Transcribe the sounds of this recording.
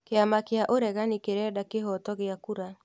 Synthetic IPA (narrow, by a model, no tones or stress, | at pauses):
keamakeaʔoɾɛɣanikeɾɛːdakeɦɔtɔɣeakuɾa